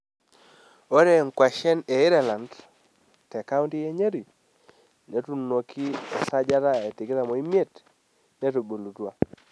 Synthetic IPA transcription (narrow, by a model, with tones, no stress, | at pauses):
o˦ɾe˦ŋ˨kwa˨ʃɛ˦ne˨ɪ˦ɾɛ˨la˨nd | tɛ˨ka˦u˦nti˦je˦ɲe˦ɾi˨ | ne˨tu˨no˨kʰi˦ɛ˨sa˦d͡ʒa˦ta˦e˨tɪ˨kɪ˦ta˨mɔ˨i˦mje˦˨t | ne˦to˨bo˨lu˨twa˦